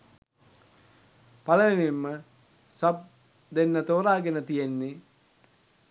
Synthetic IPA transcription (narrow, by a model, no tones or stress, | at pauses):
paləʋenemːə | səp̚ | d̪enːət̪oːɾaːɡenət̪ijenːe